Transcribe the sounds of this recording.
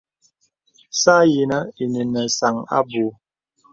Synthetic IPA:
sa˦ji˨nə˦i˨ni˨nə˨sa˨ŋa̰˦bu˨˦

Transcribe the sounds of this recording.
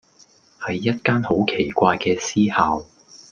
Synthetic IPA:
hɐ˨jːɐ˥t̚kaː˥nho˨˥wkʰe˨˩kʷaː˧jkɛː˧siː˥haː˨w

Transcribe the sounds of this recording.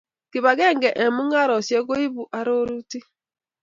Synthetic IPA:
kɪ˨ba˨ɡe˦ŋ˦ɡe˨ʔe˨mʊ˦ŋa˦ɾɔ˨se˦ɡo˦i˦bu˨ʔa˦ɾo˦ɾu˦ti˦

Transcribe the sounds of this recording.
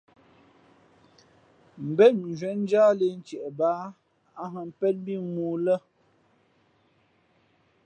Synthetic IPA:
m̩˨bɛ˦˨t̚ʒwɛ˨˦n̩˦d͡ʒa˦le˨n̩˦t͡ʃɛ˨ʔɛ˨baː˦ | a˦ɦə˨m̩˦pɛ˦t̚bi˦˨muː˨˦lə˦˨

